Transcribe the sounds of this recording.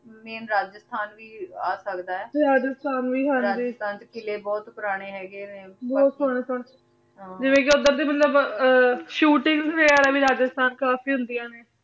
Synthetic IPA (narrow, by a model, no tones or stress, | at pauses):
meːnɾaːd͡ʒəst̪ʰaːnʋiːaːsəkd̪aːɛːɾaːd͡ʒəst̪ʰaːnʋiːɦənɾd̪iːt̪ʰaːnt̪kɪleːbɔːt̪pʊɾaːɽ̃eːɦɛːɡeːneːbɔːt̪ɦʊɳ̃sʊɳ | ɦãd͡ʒɪʋẽːk̬ɪʊd̪əɾd̪eːmət̪ləb | ʃuːʈɪŋɡsʋeːaːɾɛːbiːɾaːd͡ʒəst̪ʰaːnkaːfiːɦʊ̃nd̪ijãːneː